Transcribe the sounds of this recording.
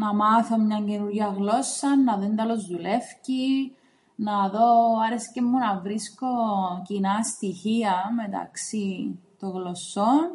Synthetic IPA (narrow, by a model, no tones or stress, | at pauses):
nɐmɐθo̞mɲɐɲɟenuɾʝɐɣlo̞sːɐnːɐðend̪ɐlozðule̞fci | nɐðo̞ɐɾescemːunɐvɾisko̞cinɐst̪içiɐmet̪ɐ̰ksit̪oɣlosːon